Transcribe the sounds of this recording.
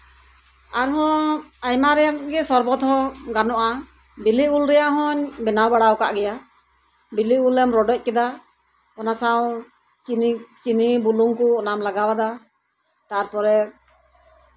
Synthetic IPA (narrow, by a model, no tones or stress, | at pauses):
aɾɦɔ̃ajmaɾɛjanɡɛsɔɾbɔt̪hɔ̃ɡanɔʔa | biliulɾɛjaʔɦɔɲbɛnawbaɽawkaʔɡɛja | biliulːɛmɾɔɖɔc̚kɛd̪a | ɔnasaw̃ | t͡ʃinibuluŋkunamlaɡawad̪a | t̪aɾpɔɾɛ